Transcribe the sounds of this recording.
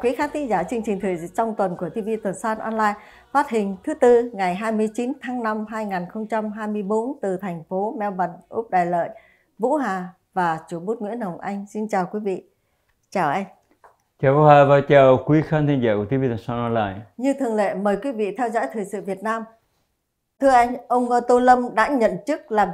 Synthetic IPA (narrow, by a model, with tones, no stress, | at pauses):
kwi˨˦xaː˧˥nt̪ʰï˨˦ŋzaː˧˩t͡ɕɨ˧əŋ̟t͡ɕï˨˩ŋ̟t̪ʰɨ̰˨˩˧t͡ɕɔ˧wŋ͡mt̪wə˨˩nku˧˩ət̪ʰi˧vḭ˧˨t̪wə˨˩nsaː˧nʔɔ˧nlaː˧j | fa˦˥t̚hï˨˩ŋ̟t̪ʰɨ˨˦t̪ɨ˧ŋa˨˩jɦaː˧jmɨ˧əjt͡ɕi˨˦nt̪ʰaː˨˦ŋna˧mɦaː˧jŋaː˨˩nxə˧wŋ͡mt͡ɕa˧mɦaː˧jmɨ˧əjɓo˨˦nt̪ɨ˨˩t̪ʰɛ˨˩ŋ̟fo˨˦mɛ˧wɓə˨˩nʔu˦˥p̚ɗaː˨˩jlə̰ː˧˨j | vṵ˧˥ɦaː˨˩ | vaː˨˩t͡ɕu˧˩ɓo˦˥t̚ŋwḭ˧˥ənə˨˩wŋ͡mʔa˧jŋ̟si˧nt͡ɕaː˨˩wkwi˨˦vḭ˧˨ | t͡ɕaː˨˩wʔa˧jŋ | t͡ɕaː˨˩vṵ˧˦haː˨˩vaː˨˩t͡ɕaː˨˩wkwi˨˦xaː˧nt̪ʰi˧nzaː˧˩ku˧˩ət̪i˨˦vi˧t̪ʰa˨˩ŋsa˧nɔ˧˦la̰ː˧˨jɲɨ˧t̪ʰɨ˨˩əŋlḛ˧˨məː˨˩jkwi˨˦vḭ˧˨t̪ʰɛ˧wzɔ̰˧˥jt̪ʰɨ˨˩jsɨ̰˧˨vi˨˩ət̚naː˧m | t̪ʰɨ˧əʔa˧jŋ̟ʔə˧wŋ͡məː˧t̪o˧lə˧mɗa̰ː˧˥ɲə̰˧˨nt͡ɕɨ˦˥k̚laː˨˩